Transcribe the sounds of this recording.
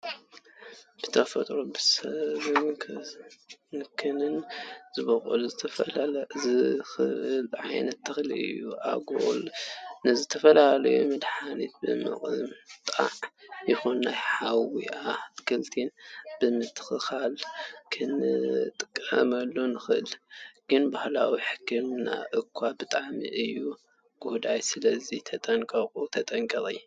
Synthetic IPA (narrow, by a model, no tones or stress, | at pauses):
b̥ɨt̪ʰɐfɐt̪ʼɾobɨsɐβɨnkʰ | nɨkʰɨnɨnzɨbɐxʼo̰luzɨt̪ʰɐzɨxɨʔɨlʕa̰jnɐt̪ʰːɨxlɨ̰ɨ̰jːuʔa̰ɡo̰lnɨzɨt̪ʰɐfɐlalɐjomɨd̪ħanit̪̚bɨmɨ̰χʼɨmt̪ʼa̰ʕjɪxunːajħawḭakʰɨlt̪ʰinb̥ɨmɨt̪ʰːɨ̥xɨxalkʰɨnɨt̪ʼɨkʼːɐ̰mɐlːonɨxɨʔɨlɡ̥ɨnbahlawiħɨkʰːɨmna̰ʔɨkʰwabɨt̪ʼaʕmḭʔɨjːu | ɡ̥od̪ajsɨlɐzit̪ʰɐt̪ʼɐŋkʼɐkʼut̪ʰɐt̪ʼɐŋkʼɐʔʼɨ̰jːu